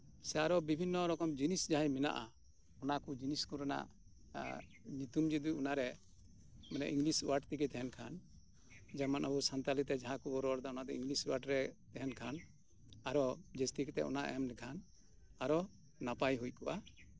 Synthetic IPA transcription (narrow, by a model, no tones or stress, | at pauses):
sɛaɾɔbibʱinːɔɾɔkɔmd͡ʒinisd͡ʒaɦajmɛna̰ʔa̰ | ɔnakud͡ʒiniskuɾana̰ʔ | ɲut̪umd͡ʒid̪ujunaɾɛ | mɛnɛ̰ʔiŋɡlisuwaʈt̪ikɛt̪ɛɦɛnkʰan | d͡ʒamanʔabusant̪alit̪ɛd͡ʒaɦãkubɔɾɔaɾd̪aɔnad̪ɔiŋɡlisuwaʈɾɛt̪ɛɦɛnkʰan | aɾɔd͡ʒɛst̪ikt̪ɛʔɔ̰naʔɛmlɛkʰan | aɾɔ | napajɦujkuʔa